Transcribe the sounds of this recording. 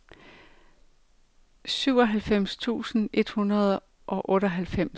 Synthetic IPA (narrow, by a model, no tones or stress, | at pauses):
syʊ̰ɒ̽ɦælfem̰st͡sʰṵːsn̩e̝d̥hunɐð̞̩ˠ | ʔɒ̽ʔɔ̽ːɾəɦælfem̰s